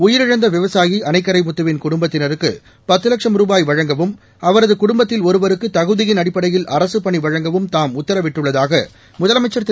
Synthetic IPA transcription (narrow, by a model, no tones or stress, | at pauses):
ʊjɪɾɪɻɐnd̪ɐʋɪʋɐsaːjiʔɐnɐɪkːɐɾɐɪmʊt̪ːɯʋɪnkʊɽʊmbɐt̪ːɪnɐɾɯkːɯ̰ | pɐt̪ːɯlɐkʂɐmɾuːbaːjʋɐɻɐŋɡɐʋɯm | ɐʋɐɾɐðɯkʊɽʊmbɐt̪ːɪlɔɾɯʋɐɾɯkːɯt̪ɐɣɯðɪjɪnɐɽɪpːɐɽɐjɪlʔɐɾɐsɯpɐɳiʋɐɻɐŋɡɐʋɯmt̪aːmʊt̪ːɐɾɐʋɪʈːɯɭːɐðaːɣɐ | mʊðɐlɐmɐɪt͡ʃːɐɾt̪ː